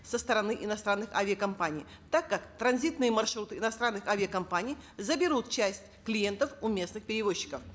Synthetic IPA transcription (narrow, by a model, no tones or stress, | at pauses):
səst̪əɾɐnɨʔɪnɐst̪ɾanːɨxavʲɪəkɐmpanʲɪ̰ː | t̪akːakt̪ɾɐnzʲit̪nɨjəmɐrʂɾut̪ɨɪnɐst̪ɾanːɨxavʲɪəkɐmpanʲɪjzəbʲɪɾut̪̚t͡ɕæsʲtʲklʲɪje̞nt̪əfʊmʲe̞snɨxpʲɪɾʲɪvo̞ɕːɪ̥kəf